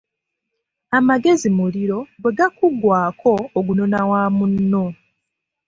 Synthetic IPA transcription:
amaɡe̞zimuliɾo̞ɡwe̞ɡakuɡwaːkʰo̞ːɡunonawaːmunːo

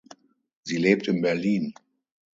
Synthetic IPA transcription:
ziːleːp̚tɪnbɛɐliːn

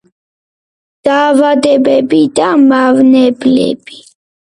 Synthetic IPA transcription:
d̪̥aːvad̪ɛbɛbid̪amavnɛblɛ̰b̥i

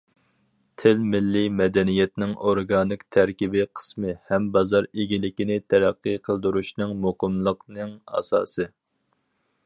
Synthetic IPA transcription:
t̪ʰɪlmɪlːɪmɛd̪ɛnijɛt̪̚nɪŋoɾɡɑːnɨkt̪ʰɛɾkʲibɪqʰə̥smɨhɛmbɑzɑɾeɡʲilɪkʲinɪt̪ʰɛɾæqːɨqʰəlˠd̪uɾuʃnɨŋmoqəmlˠəqnɨŋɑ̰sɑ̰ːsɨ

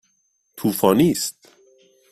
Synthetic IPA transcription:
t̪ʰuːfɒːniːst̪̚

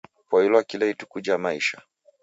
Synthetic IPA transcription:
pwahilɔakilahitu̥kud͡ʒajamaiʃa

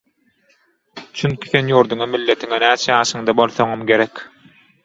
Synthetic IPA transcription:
t͡ʃʰyŋkʲi̥θenjuːɾd̪uŋɑmilːe̞t̪ʰiŋenæːt͡ʃʰejɑːʃɯŋd̪ɑbo̞lˠθo̞ŋomɡʲe̞ɾekʲ

